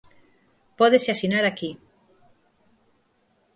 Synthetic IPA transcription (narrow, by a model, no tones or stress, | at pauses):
pɔðeseasinaɾaki